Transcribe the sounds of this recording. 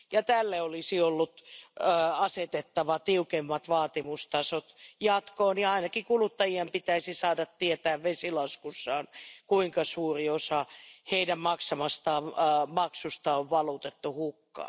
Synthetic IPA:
jɑt̪ælːeolisiolːut̪ː | ɑset̪et̪ːɑʋɑt̪iukemːɑt̪ʋɑːt̪imust̪ɑsot̪jɑt̪koːniɑinɑkikulut̪ːɑjiempit̪æisisɑːdɑt̪tiet̪æːʋʋesilɑskusːɑːnkuiŋkɑsuːriosɑheidæmmɑksɑmɑst̪ɑːmɑksust̪ɑoʋʋɑlut̪et̪ːuhukːɑ̰

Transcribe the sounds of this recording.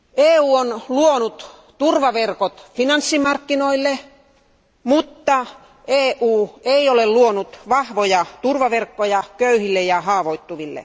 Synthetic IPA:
eːuːonluonut̪ | t̪urʋɑʋerkot̪finɑnsːimɑrkːinoilːe | mut̪ːɑ | eːʔuːeiolelluonut̪ʋɑhʋojɑt̪urʋɑʋerkːojɑkøyhilːejɑhɑːʋoit̪ːuʋilːḛ

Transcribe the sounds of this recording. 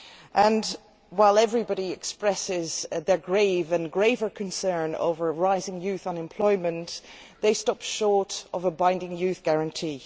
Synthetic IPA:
ʔə̃n | waɪlˠɛvɹibɑɾiɛkspɹɛsɪzðə˞ɡɹeɪvə̃nɡɹeɪvə˞kʰə̃nsɜ̃˞no̰ʊvə˞ɹaɪzɪ̃ŋjʉθə̃nɨ̃mpʰl̥ɔɪmə̃nðeɪstɔpʃɔɹɾəvəbãɪ̃ndɪ̃ŋjʉθɡ̥aɹə̃ntʰi

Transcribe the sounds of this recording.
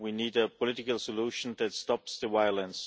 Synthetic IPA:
winiːdəpʰɔlɪɾɪkəlˠsəluʃə̃nðætstɑpsðəvaɪələ̃ns

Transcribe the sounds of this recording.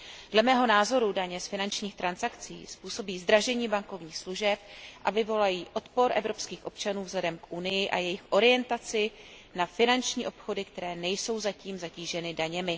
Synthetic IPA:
dlɛmɛːɦo̞naːzo̞ɾudaɲɛsfɪnant͡ʃɲiːxt̪ɾansakt͡sḭːspuːso̞biːzd̪ɾaʒɛɲiːbaŋko̞vɲiːxsluʒɛpʔavɪvo̞lajiːʔo̞t̪po̞ɾʔɛvɾo̞pskiːxʔo̞pt͡ʃanuːvzlɛdɛmkʔunɪjɪʔa̰jɛjɪxʔo̞ɾɪjɛnt̪at͡sɪ | nafɪnant͡ʃɲiːʔo̞pxo̞dɪkt̪ɛɾɛːnɛjso̞wzaciːmzaciːʒɛnɪdaɲɛmɪ

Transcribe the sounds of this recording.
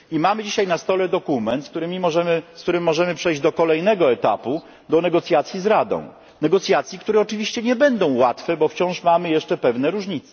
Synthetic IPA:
imamɘd͡ʑiɕajnast̪ɔlɛd̪ɔkumɛnt̪sk̚t̪uɾɘmʲimɔʐɛmɘskt̪uɾɘmːɔʐɛmɘpʂɛjʑd͡ʑd̪ɔkɔlɛjnɛɡɔɛt̪a̰pu | d̪ɔnɛɡɔt̪sʲjat̪sʲjizɾad̪ɔ̰̃w̃ | nɛɡɔt̪sʲjat̪sʲjikt̪uɾɛɔt͡ʂɘvʲiɕt͡ɕɛɲɛbɛnd̪ɔ̃w̃wat̪fɛbɔft͡ɕɔ̃w̃ʂmamɘjɛʂt͡ʂɛpɛvnɛɾuʐɲit̪sɛ̥

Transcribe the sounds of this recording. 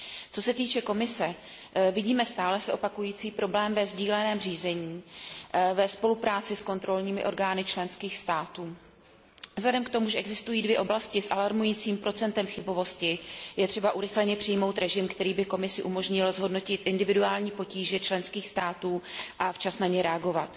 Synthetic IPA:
t͡so̞sɛt̪iːt͡ʃɛko̞mɪsɛ | vɪɟiːmɛst̪aːlɛsɛʔo̞pakujiːt͡siːpɾo̞blɛːmvɛzɟiːlɛnɛːmr̝iːzɛɲiː | vɛspo̞lupɾaːt͡sɪsko̞nt̪ɾo̞lɲiːmɪʔo̞̰ɾɡaːnɪt͡ʃlɛnskiːxst̪aːt̪uː | vzladɛmkt̪o̞muʒɛʔɛɡzɪst̪ujiːdvjɛʔoblascɪsʔalaɾmujiːt͡siːmpɾo̞t͡sɛnt̪ɛmxɪbo̞vo̞scɪjɛt̪r̥ɛbaʔuɾɪxlɛɲɛpr̥ɪjmo̞wt̪ɾɛʒɪmkt̪ɛɾiːbɪko̞mɪsɪʔumo̞ʒɲɪlzɦo̞dno̞cɪt̪ʔɪndɪvɪduaːlɲiːpo̞ciːʒɛt͡ʃlɛnskiːxst̪aːt̪uːʔaft͡ʃasnaɲɛɾɛaɡo̞vat̪

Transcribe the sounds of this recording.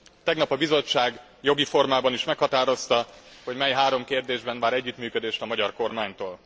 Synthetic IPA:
t̪ɛɡnɒpɒbizo̞t͡ʃːaːɡ | jo̞ɡifo̞rmaːbɒniʃmɛkhɒt̪aːɾo̞st̪ɒho̞ɟmɛjɦaːɾo̞mkeːrd̪eːʒbɛnvaːɾɛɟːyt̪myːkød̪eːʃt̪ɒmɒɟɒrko̞rmaːɲt̪oːl

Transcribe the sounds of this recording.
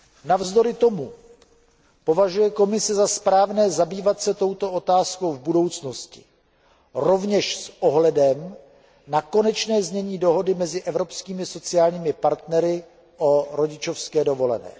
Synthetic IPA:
navzdo̞ɾɪt̪o̞mu | po̞vaʒujɛko̞mɪsɛzaspɾaːvnɛːzabiːvat̪sɛt̪o̞wt̪o̞ʔot̪aːsko̞wvbudo̞wt͡snoscɪ̥̰ | ɾo̞vɲɛʃsʔo̞ɦlɛdɛm | nako̞nɛt͡ʃnɛːzmɲɛɲiːdo̞ɦo̞dɪmɛzɪʔɛvɾo̞pskiːmɪso̞t͡sɪjaːlɲiːmɪpaɾt̪nɛɾɪ | ʔoɾo̞ɟɪt͡ʃofskɛːdo̞vo̞lɛ̰nɛ̰ː

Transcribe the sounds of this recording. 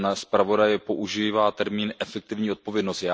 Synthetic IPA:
nspɾavo̞dajɛpo̞ʔuʒivaːt̪ɛɾmiːnʔɛfɛk̚t̪ɪvɲiːo̞t̪̚povjɛdnost̪jaː

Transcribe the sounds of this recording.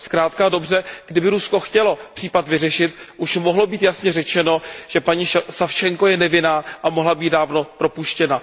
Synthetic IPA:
skɾaːt̪kado̞br̝ɛɡ̥dɪbɪɾusko̞xcɛlo̞pr̥iːpat̪vɪrɛʃɪt̪ʔuʃmoɦlo̞biːt̪jasɲɛrɛt͡ʃɛnoʒ̥ɛpaɲiːsaft͡ʃɛŋko̞jɛnɛvɪnaːʔamoɦlabiːt̪̚daːvno̞pɾo̞puʃcɛna

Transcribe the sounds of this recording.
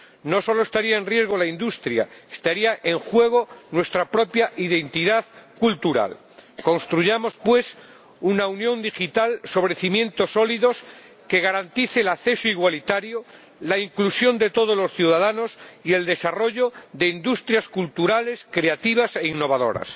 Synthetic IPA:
no̞so̞loest̪aɾiaẽnrje̞zɣ̞o̞laind̪ust̪ɾja̰est̪aɾiaʔe̞ŋxwe̞ɣ̞o̞nwe̞st̪ɾapɾo̞pjaʔiðe̞nt̪iðaðkult̪uɾa̰l | ko̞nst̪ɾuʝamo̞spwe̞s | unaunjõ̞nd̪ixit̪also̞βɾeθimjẽ̞nt̪o̞so̞liðo̞s | ke̞ɣ̞aɾant̪iθelaθe̞soiɣwalit̪aɾjo | laiŋklusjo̞nd̪e̞t̪o̞ðozlo̞sθjuðaðano̞sie̞ld̪e̞saro̞ʝoðe̞ind̪ust̪ɾjaskult̪uɾale̞skɾe̞at̪iβ̞ase̞iŋno̞β̞aðo̞̰ɾa̰s

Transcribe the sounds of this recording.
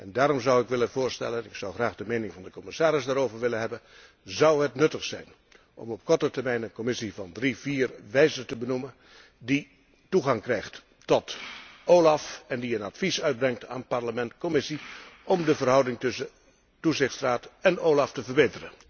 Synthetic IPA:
ʔɛndaːɾɔmzʌwɪkʋɪlənvʊːɹstɛ̰lənɪksʌwχraːχdəmeːnɪŋvɑndəkɔmɪsaːɾɪsdaːɾowvəɹʋɪlənɦɛbən | zʌwɦətnɵtəχsɛ̰jn | ʔɔ̰mɔp̚kɔɹtətəɹmɛjnənkɔmɪsivɑndriviːrʋɛjzəntəbənumən | di | tuɣɑŋkrɛjχt | tɔtʔowlɑfɛndiənɑtfisœɥd̚brɛŋtʰa̰ːnpɑɹləmɛntkɔmɪsiʔɔmdəvərɦʌwdɪŋtɵsə | tuzɪχtsraːtɛnoːwlɑftəvəɹbeːtərən

